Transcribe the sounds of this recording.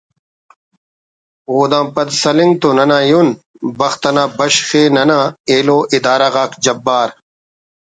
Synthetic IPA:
oːd̪ãːpɐd̪sɐlĩŋɡt̪onɐnãːjun | bɐxt̪ɐnãːbɐɕxeːnɐnãeːloːʔid̪aːɾaɣaːkd͡ʑɐbːaːɾ

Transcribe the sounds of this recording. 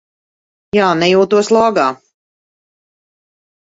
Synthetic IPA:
jaːnɛjuːt̪uɔslˠɔːɡaː

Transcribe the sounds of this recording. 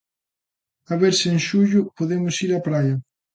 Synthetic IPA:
aβeɾsɪeŋʃuʎʊpoðemʊsiɾapɾajɐ

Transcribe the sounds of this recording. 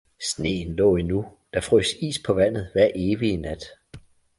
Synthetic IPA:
sne̝̰ːn̩lɔ̰̽ːinud̥ɑ̈fʁysḭːspʰɒ̽ʋæn̰ð̩ˠʋæɐ̰ʔe̝ːʋiənæd̥

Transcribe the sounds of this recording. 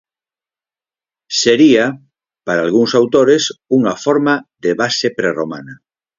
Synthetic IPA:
seɾia | paɾaːlɣ̞uŋsawt̪oɾesuŋafoɾmaðeβasepɾeroma̰na

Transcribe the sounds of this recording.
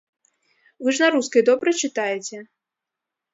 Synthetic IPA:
vɨʐnɐɾuskɐjd̪ɔbɾɐt͡ʃɨt̪ajɛt͡sʲɛ

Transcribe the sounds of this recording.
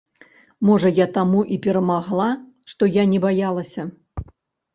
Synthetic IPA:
mɔʐɐjat̪amuʔipʲɛɾɐmaɣlˠa | ʂt̪ɔjanʲɛbajalˠɐsʲɐ

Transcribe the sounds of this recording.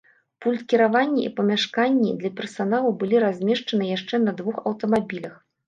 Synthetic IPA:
pulʲt̪kʲiɾavanʲːiʔḭpɐmʲaʂkanʲːid̪lʲɐpʲɛrsanalˠubɨlʲiɾazʲmʲɛʂt͡ʂɐnɨjaʂt͡ʂɛnɐd̪vuxɐwt̪ɐmabʲilʲɐx

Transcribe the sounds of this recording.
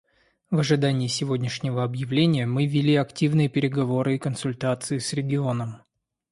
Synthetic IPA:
vəʐɨd̪anʲɪːsʲɪvo̞dʲnʲɪʂnʲɪvəɐbjɪvlʲenʲɪjəmɨvʲɪlʲiɐktʲivnɨjəpʲɪɾʲɪɡɐvo̞ɾɨɪkənsʊlʲt̪at̪sɨɪsɾʲɪɡʲɪo̞nəm

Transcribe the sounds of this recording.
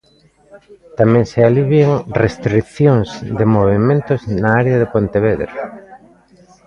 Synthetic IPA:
t̪amɛ̃ŋsealiβjeŋrest̪ɾiθjoŋzd̪ɪmoβemẽnt̪ʊznaaɾeaðepont̪eβeðɾ

